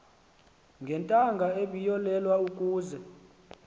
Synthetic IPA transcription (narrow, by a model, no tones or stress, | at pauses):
ŋɡʱɛntʼaŋɡʱaeɓijɔlɛlwaukʼuːzɛ